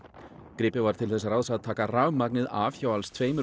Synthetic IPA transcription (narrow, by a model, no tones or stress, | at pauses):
kɾɪːpɪvaɾt̪ʰɪlθɛsaɾaːwðsaðt̪ʰaːkaramak̚nɪðavçawalst̪ʰveːjmʏ